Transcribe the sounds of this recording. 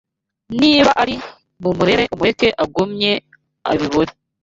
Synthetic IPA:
niːβaʔaɾi | mumuɾe̞ɾeʔumuɾekeʔaɡumɲe̞ | a̰βiβoɾe

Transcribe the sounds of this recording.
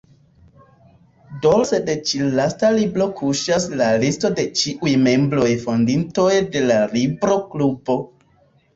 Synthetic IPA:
dolsedet͡ʃilastalibɾo̞kʰuʃaslalisto̞de̞t͡ʃiʔujme̞mbɾo̞jfo̞ndintojde̞lalibɾo̞klubo̞

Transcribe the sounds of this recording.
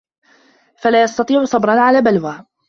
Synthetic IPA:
falaːjɑst̪ɑt̪ˤiːʕʊsˤɑbɾˤɑnʕalaːbalwaː

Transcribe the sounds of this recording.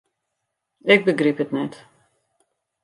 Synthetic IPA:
ɪk̚bəɡripɦətnɛt

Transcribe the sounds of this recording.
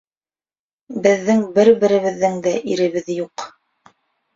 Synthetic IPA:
bɘ̆ðːɘŋbɘɾbɘ̆ɾɘ̆βɘ̆ðːɘŋd̪æʔiɾɘ̆βɘ̆ðjuq

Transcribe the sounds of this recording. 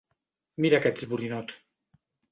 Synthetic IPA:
miɾakɛt̪zβuɾinɔt̪

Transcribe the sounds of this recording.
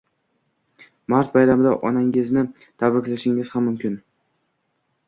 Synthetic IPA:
maɾt̪̚bajɾamɪd̪aʔɒnaŋɪznɪ | t̪ʰabɾɪkʲlaʃɪŋɪz̥hamːʊmkʲɪn

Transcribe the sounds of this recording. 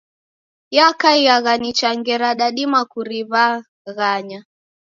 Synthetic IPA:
jakaijaɣanit͡ʃaŋɡɛɾaɗaɗimakuɾiβa | ɣaɲa

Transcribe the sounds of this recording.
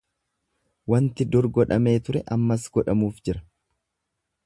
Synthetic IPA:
wɐnt̪ɪd̪ʊɾɡɔᶑɐme̞ːt̪ʊɾɛʔɐmːɐsɡɔᶑɐmuːfd͡ʒɪɾɐ

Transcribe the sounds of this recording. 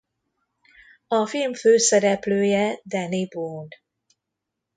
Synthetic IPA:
ɒfilmføːsɛɾɛpløːjɛd̪ɛnibod̪

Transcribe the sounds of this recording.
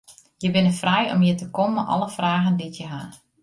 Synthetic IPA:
jəbɪnəfrɛjɔ̰mjətəkɔməʔɔ̰lˠəfraːɣənditjəɦa

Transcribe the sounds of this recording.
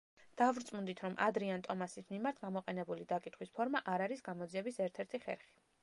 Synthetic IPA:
d̪̥avɾt̪sʼmund̪it̪ʰɾɔmʔa̰d̪ɾiant̪ʼɔmasismimaɾt̪ʰɡamɔqʼɛnɛbulid̪akʼit̪ʰχwispʰɔɾmaʔaɾaɾisɡamɔd̪ziɛbisɛɾt̪ʰɛɾt̪ʰiχɛ̰ɾχi̥

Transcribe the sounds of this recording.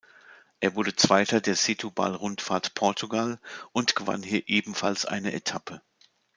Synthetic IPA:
ʔeːɐvʊɐɾət͡sv̥aɪtɐdeːɐzɪtʰuba̰lʁʊntfaːɐtpʰɔɐtuɡalʔʊntɡ̥əva̰nhiːɐʔeːbm̩fa̰lsʔa̰ɪnəʔetʰapʰə

